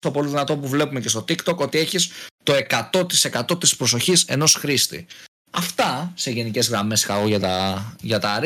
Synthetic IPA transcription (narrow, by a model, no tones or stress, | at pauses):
t̪o̞poliðinɐt̪o̞puvle̞pumece̞st̪o̞t̪ikt̪o̞ko̞t̪ie̞çist̪o̞e̞kɐt̪o̞t̪ise̞kɐt̪o̞t̪ispɾo̞so̞çise̞no̞sxɾist̪ḭ | ɐft̪ɐse̞ʝe̞nice̞zɣɾɐme̞sɐɣoʝɐt̪ɐʝɐt̪ɐɾ